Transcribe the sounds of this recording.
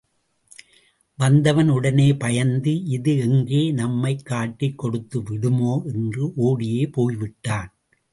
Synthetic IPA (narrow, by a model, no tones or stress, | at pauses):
ʋɐnd̪ɐʋɐnɯɽɐneːpɐjɐnd̪ɯʔɪðɯɛŋɡeːnɐmːɐɪkːaːʈːɪkːɔɽɯt̪ːɯʋɪɽɯmoːʔɛndrɯʔoːɽɪjeːpoːjʋɪʈːaːn